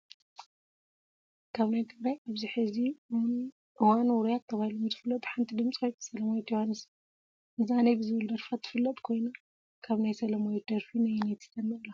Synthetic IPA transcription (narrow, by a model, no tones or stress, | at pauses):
kʰaβnajt̪ʰɨɡɾajʔaβziħɨzi | ʔɨwanwuɾijat̪ʰːɐβahilomzɨfɨlːɐt̪ʼħant̪ʰid̪ɨmt͡sʼikʰojnsɐlɐmojot̪johanːɨs | ɨzanajbɨzɨβɨld̪ɐɾfat̪ʰːɨ̥fɨlːɐt̪ʼkʰo̞jna | kʰaβnajsɐlɐmojɛd̪̥ɐɾfinajnajt̪ʰɨ̥t̪ʰɐnːɐlːa